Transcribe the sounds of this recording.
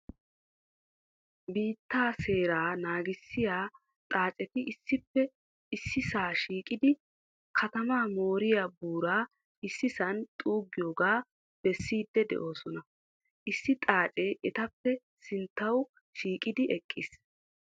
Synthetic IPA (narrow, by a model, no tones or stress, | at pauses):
biːt̪ːaːse̞ːɾaːnaːɡɪsːɪjaː | t̪ʼaːt͡ʃʼɛt̪ɪʔɪsːɪpːɛ | ɪsːɪsaːʃiːkʼɪd̪ɪ | kʰɐt̪ɐmaːmo̞ːɾɪjaːbuːɾaː | ɪsːɪsɐnt̪ʼuːɡːɪjoːɡaː | b̥ɛsːiːd̪ːɛd̪ɛ̰ʔo̞ːsɔnɐ | ʔɪsːɪt̪ʼaːt͡ʃʼɛʔɛt̪ɐpːɛ | sɪnt̪ːɐw | ʃiːkʼɪd̪ɪʔɛkʼːɪs